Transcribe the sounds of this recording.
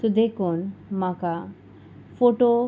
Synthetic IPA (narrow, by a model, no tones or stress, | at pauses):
t̪ud̪ekʰunmaka | foʈo